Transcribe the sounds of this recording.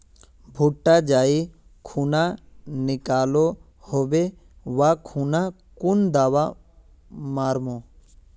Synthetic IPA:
bʱuʈːad͡ʒaːi | kʰuːnanɪkaːlo | hobe | ʋakʰuːna | kund̪aːʋa | maːɾmoː

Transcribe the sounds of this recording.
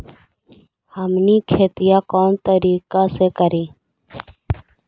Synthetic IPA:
həmniːkʰeːt̪ɪjaːkɔːnt̪əɾiːkaːseːkəɾiː

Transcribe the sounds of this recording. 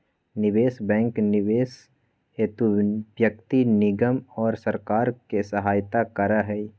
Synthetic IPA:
nɪʋeːsbɛ̃ːŋknɪʋeːs | eːt̪ubjək̚t̪inɪɡəmɔːɾsəɾkaːɾkesəɦaːjt̪akɐɾaɦɛ

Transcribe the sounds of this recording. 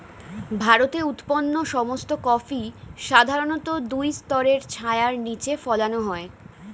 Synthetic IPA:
bʱaɾot̪eut̪ponːoʃɔmost̪okɔfiʃad̪ʱaɾonot̪od̪ujst̪ɔɾeɾt͡ɕʰaeaɾnit͡ɕefɔlanoɦɔe

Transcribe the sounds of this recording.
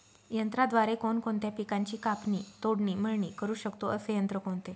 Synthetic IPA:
jənt̪ɾad̪ʋaɾekonkoɳt̪japikãɲt͡ɕiːkapnit̪oɽɳiːm̤əɭɳiːkəɾuːɕəkt̪oʔəsejənt̪ɾəkoɳt̪e

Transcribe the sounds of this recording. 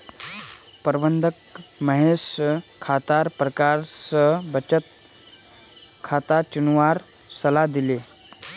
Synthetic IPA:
pəɾbənd̪ʱəkməɦeskʰːat̪aɾpɾəkaɾsəbət͡ɕət̪̚ | kʰat̪at͡ʃunʋaɾ | səlad̪ile

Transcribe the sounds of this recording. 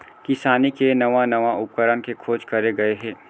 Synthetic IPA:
kɪsaːnikenɐʋanɐʋaʊp̚kəɾənkekʰoːd͡ʒkɐɾeɡɐeɦɛ̃ː

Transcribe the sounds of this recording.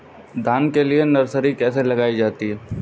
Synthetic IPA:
d̪ʱaːnkelienɐɾsəɾikɛːselɐɡaːid͡ʒaːt̪iɦɛ

